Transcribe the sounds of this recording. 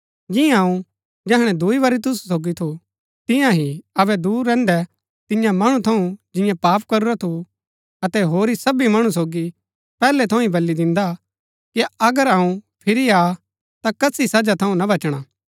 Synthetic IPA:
d͡ʒɪãɐũ | d͡ʒɛɦɽ̃ɛ̃d̪uiʋɐɾit̪̬ʊssoːɡit̪ʰu | t̪ɪ̃jãɦiɐβɛd̪uːɾːɛ̃ːnd̪ɛ | t̪ɪ̃jãmɐɽ̃ut̪ʰɐũd͡ʒɪ̃jãpaːpkɐɾuɾat̪ʰu | ɐt̪ɛɦoːɾisɐbimɐɽ̃ũsoːɡi | pɛːlɛt̪ʰɐũĩbɐlːid̪ɪ̃nd̪a | kiɐɡəɾɐũpʰɪɾiaː | t̪akɐsisɐd͡ʒat̪ʰɐũnɐbɐt͡ʃɽ̃aː

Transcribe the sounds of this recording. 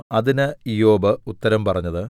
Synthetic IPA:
ɐðinɨijo̞ːbɨut̪ːɐɾɐmpɐrɐɲːɐðɨ

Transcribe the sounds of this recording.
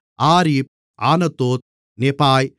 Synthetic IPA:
aːɾiːp̚ | ʔaːnɐt̪ːoːt̪̚ | nepaːj

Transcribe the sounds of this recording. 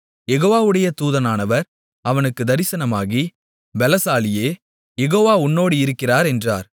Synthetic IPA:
jɛɣoːʋaːʋɯɽɐjɐt̪uːðɐnaːnɐʋɐɾ | ɐʋɐnɯkːɯd̪ɐɾɪsɐnɐmaːɣi | bɛlɐsaːlɪjeː | jɛɣoːʋaːʊnːoːɽiɪɾɯkːɪraːɾɛndra̰ːɾ

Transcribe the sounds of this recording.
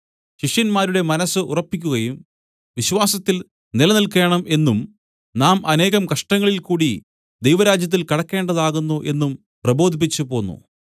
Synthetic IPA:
ɕiʂjɐnmaːɾuɽe̞mɐnɐsɨʔurɐpːikʲːuɣɐjum | ʋiɕʋaːsɐt̪ːil | nilɐnilke̞ːɳɐme̞nːum | naːmɐne̞ːɣɐmkɐʂʈɐŋːɐɭilkuːɽi | d̪ejʋɐɾaːd͡ʑjɐt̪̬ːilkɐɽɐkːe̞ːɳɖɐðaːɣunːuʔe̞nːum | prɐbo̞ːd̪ʱip̬ːit͡ɕːɨpo̞ːnːṵ

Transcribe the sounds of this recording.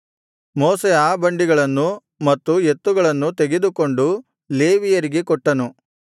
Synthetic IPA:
moːseaːbɐɳɖiɡɐɭɐnːu | mɐt̪ːue̞t̪ːuɡɐɭɐnːut̪eɡe̞d̪uko̞ɳɖu | le̞ːʋijɐɾiɡekɔʈːɐnu

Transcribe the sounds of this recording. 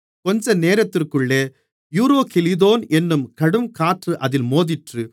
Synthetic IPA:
kɔɲd͡ʒɐneːɾɐt̪ːɪrkɯɭːeː | juːɾoːkɛlɪðoːnɛnːɯmkɐɽɯmkaːʈrɯʔɐðɪlmoːðɪʈrɯ

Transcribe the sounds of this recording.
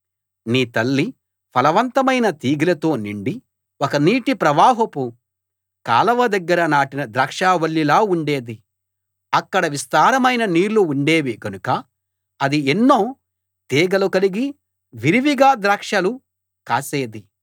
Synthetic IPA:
niːt̪ɐlːi | pʰɐlɐʋɐnt̪ɐmɐjnɐt̪iːɡilɐt̪o̞ːniɳɖi | ɔkɐniːʈipɾɐʋaːɦɐpu | ka̰ːlɐʋɐd̪ɐɡːɐɾɐnaːʈinɐd̪ɾaːkʂaːʋɐɭːilaːuɳɖeːd̪i | ɐkːɐɽɐʋist̪aːɾɐmɐjnɐniːɾluːɳɖe̞ːʋiɡɐnukɐ | ɐd̪ienːoː | t̪eːɡɐlukɐliɡi | ʋiɾiʋiɡaːd̪ɾaːkʂɐlu | kaːseːd̪i

